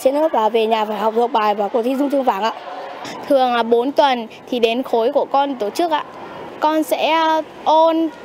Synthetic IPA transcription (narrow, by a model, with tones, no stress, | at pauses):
t͡ɕe˧nɨ˦˥t̚laː˨˩ve˨˩ɲaː˨˩faː˧˩jɦɔ˨˩wk͡p̚zə˨k͡p̚ɓaː˨˩jvaː˨˩ko˧˩t̪ʰi˧˩zʊ˧ŋ͡mt̪ʰəŋvaː˧˩ŋʔa̰ː˧˨t̪ʰɨ˨˩əŋlaː˨˩ɓo˨˦nt̪wə˨˩nt̪ʰi˨˩ɗe˨˦nxo˨˦jku˧˩əkɔ˧nt̪o˧˩t͡ɕɨ˦˥ək̚ʔa̰ː˧˨ | kɔ˧nsɛ̰˧˥ | ʔo˧n